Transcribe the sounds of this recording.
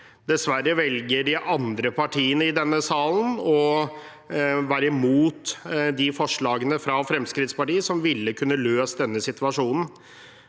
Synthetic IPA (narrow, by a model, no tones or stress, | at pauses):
d̪ɛsʋæɾəʋɛlɡəɖɪʔɑnd̪ɾəpʰɑʈʰiːənəɪd̪ɛnːəsɑːln̩ɔ | ʋæːɾəɪmuːt̪d̪ɪfɔʂɭɑːɡənəfɾɑfɾɛmskɾɪt̪spɑʈiːəsɔmʋɪlːəkʰʉnːəløːsd̪ɛnːəsɪt̪ʉɑʂuːnn̩